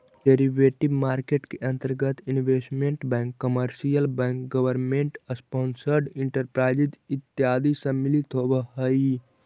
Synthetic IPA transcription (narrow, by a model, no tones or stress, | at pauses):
ɖeɾiʋeʈibmaːɾkeːʈkeʔɐ̃nt̪əɾɡət̪inʋeːsʈmeɳʈbɛ̃ːŋkːəməɾsijəlbɛ̃ːŋkɡəʋəɾmẽɳʈəspɔːnsəɾɖĩɳʈəɾpɾaːɪd͡ʒit̪it̪ːjaːd̪isə̃milit̪ʰobəɦəi